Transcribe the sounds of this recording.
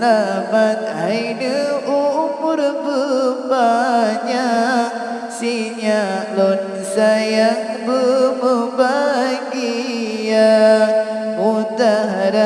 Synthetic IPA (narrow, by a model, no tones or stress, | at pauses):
lamat̪̚a̰jnəʔumʊɾbəbaɲak̚ | siɲalɔn | sajaŋ | bəməbaɡija | ut̪aɦɾa